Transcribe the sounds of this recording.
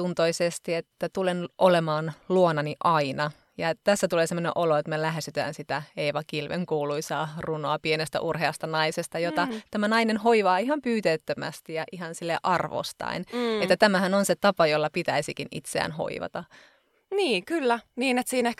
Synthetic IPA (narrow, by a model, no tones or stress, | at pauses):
t̪unt̪oisest̪iet̪ːæt̪ulenʔolemɑːnluonɑniʔɑinɑ | jɑet̪æsːæt̪uleːsemːonẽʔoloet̪melæɦesyt̪æ̰ːnsit̪æeiʋɑkilʋḛŋkuːluisɑːrunoɑpienest̪æ̰ʔurɦeɑst̪ɑnɑisest̪ɑjot̪ɑt̪æmænɑinenhoiʋɑːiɦɑmpyːt̪eyt̪ːømæ̰st̪ijɑʔiɦhɑnsilːeʔʔɑrʋo̰st̪ɑ̰inet̪ːæt̪æmæhænonset̪ɑpɑjolːɑpit̪æisikinḭt̪seæ̰ːnho̰ḭʋɑ̰t̪ɑ | niːkylːæniːnet̪siːnehk